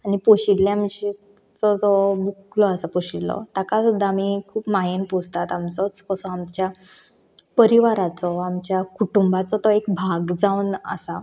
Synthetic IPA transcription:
anipoɕilːjamd͡ʑe | t͡sɔd͡zɔbuklɔasapoɕillɔ̰t̪akad̪amikʰuːpmajenpud͡zʱt̪at̪amt͡sɔt͡skɔsɔamt͡ɕja | pəɾiʋaɾat͡sɔamt͡ɕjakuʈumbat͡sɔt̪ɔekbʱaɡd͡zaunə̰sa

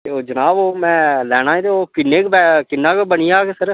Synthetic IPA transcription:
t̪eːoːd͡ʒənaːboːmɛ̃ːlɛːɽ̃ãːẽːt̪eoːkɪnːeːkbɛkɪnːãːkbəɳiːaːksəɾ

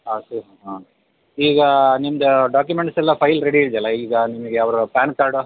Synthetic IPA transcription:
asuɦɦa | iːɡɐnimɐd̪ɐɖaːk̬jumeɳʈsɛlːɐpʰɐjlɾeɽiiɭd̪ɛlːɐiːɡɐnimɐɡejaːʋɐɾupaːnkaːɾɖ

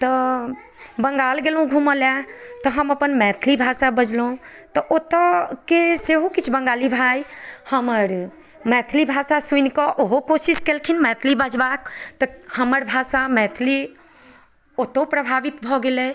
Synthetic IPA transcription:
t̪ɔ | bəŋɡaːlɡelũɡʱuməlɛt̪ɔɦəməpənmɛt̪ʰlibʱasabəd͡ʒlõt̪ɔʔot̪ɔkeseɦokit͡ʃʰbəŋɡalibʱajhəməɾ | mɛt̪ʰlibʱasasunkɔʔoɦokosiskelkʰinmɛt̪ʰlibəd͡ʒbak̚t̪ɔhəməɾbʱasamɛt̪ʰli | ot̪opɾəbʱaʋit̪bʱɔɡelɛ

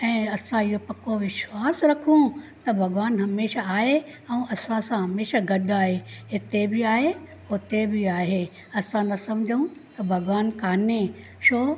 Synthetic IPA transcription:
ɛ̃ːɐsãɪɦopɐkoʋɪʃwaːsɾɐkʰũt̪ɐbʱɐɡʋaːnɦɐmeːʃaaːɦe | ɛ̃ːʔɐsãsãɦɐmeːʃaɡɐɗaːɦeɦɪt̪ebɪaːɦe | ʊt̪ebʱɪaːɦe | ɐsãnɐsɐ̃md͡ʑʱəũt̪ɐbʱɐɡʋaːnkʰaːne | ʃoː

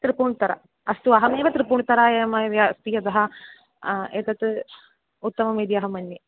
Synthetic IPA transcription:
t̪ɾipuːɳt̪ɐɾɐ̰ | ɐst̪uɐɦɐmeːʋɐt̪ɾipuːɳt̪ɐɾaːeːmɐʋjɐst̪ijɐd̪ɐɦɐ | eːt̪ɐt̪ | ut̪ːɐmɐmeːd̪iɐɦɐmɐnːje

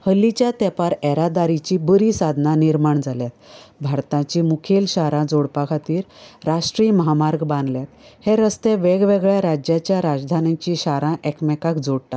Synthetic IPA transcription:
həlːit͡ɕjat̪ɛpaɾɛɾad̪aɾit͡ɕibəɾiːsad̪ʱnaniɾmaɳd͡zʱaljat̪bʱaɾt̪ãt͡ɕimukʰelɕaɾãd͡zoɽpakʰat̪iːɾɾaʂʈɾiːməɦamaɾɡbãnd̪ljat̪heɾəst̪eʋeɡʋeɡɭjaɾad͡ʑjat͡ɕjaɾad͡ʑd̪ʱanãt͡ɕĩɕaɾãʔɛkmɛkakd͡zoɽʈ̪a

